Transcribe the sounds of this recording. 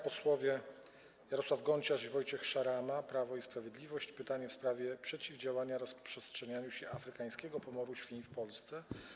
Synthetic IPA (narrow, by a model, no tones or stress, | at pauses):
pɔswɔvʲjɛ | jaɾɔswavɡɔɲt͡ɕaʐivɔjt͡ɕɛxʂaɾamapɾavɔispɾavʲjed̪lʲivɔɕt͡ɕpɘt̪aɲɛfspɾavʲjɛpʂɛt͡ɕivd͡ʑawaɲaɾɔspʂɛstʂɛɲaɲuɕɛʔafɾɘkaj̃skʲɛɡɔpɔmɔɾuɕfʲifpɔlst̪sɛ